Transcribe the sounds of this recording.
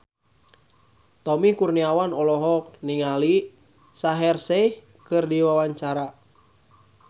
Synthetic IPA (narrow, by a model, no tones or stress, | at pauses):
t̪ɔmikurniawanɔlɔɦɔk̚niŋali | saɦɛrsɛh | kɨrdiwawaɲt͡ʃaɾa